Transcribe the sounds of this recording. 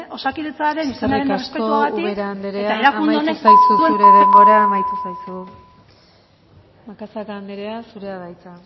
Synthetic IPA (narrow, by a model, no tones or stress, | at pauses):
ʔo̞sakiðet͡saɾenisenaɾerespeuaɣaiekɾaand̪eɾeat̪aeɾakuneonesajsuueuɾeβepoɾeaːmajt̪usajsu | makasakaːnd̪eɾeasuɾeaðajt͡sa